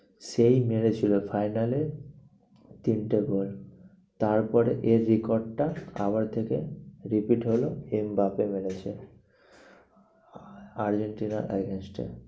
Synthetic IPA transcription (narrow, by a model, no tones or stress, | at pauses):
sejmeɽet͡ɕʰilofʰajnale | t̪inʈeɡol | t̪aɾpɔɾeʔeɾːikoɾɖ̚ʈaa̰βaɾt̪ʰekeɾipiʈɦoloembapemeɽet͡ɕʰe | aɾd͡ʑeɳʈinaɾʔɛ̰ɡensʈḛ